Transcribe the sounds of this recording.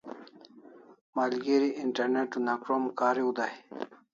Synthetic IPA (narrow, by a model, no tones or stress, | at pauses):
maːlɡeɾiʔiɳʈɐɾneʈːunakɾomkaːɾiud̪a